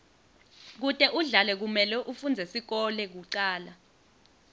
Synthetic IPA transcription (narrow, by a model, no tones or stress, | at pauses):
k̬utʼɛʔuɮalɛk̬umɛlɛʔufund͡zʱɛsik̬ɔlɛk̬uǀaːla